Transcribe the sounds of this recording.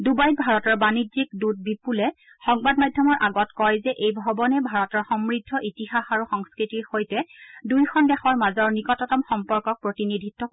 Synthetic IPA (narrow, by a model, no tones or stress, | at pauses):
dubajtbʱaɹɔtɔɹbanizik̚dut̚bipulɛ | xɔŋbadmajdʱjɔmɔɹʔaɡɔtkɔjzɛʔejbʱɔbɔnɛbʱaɹɔtɔɹxɔmɹidʱːɔʔitixaxaɹuxɔŋskɹitiɹxojtɛdujkʰɔnbɛxɔɹmazɔɹnikɔtɔtɔmxɔmpɔɹkɔk̚pɹotinidʱitːɔ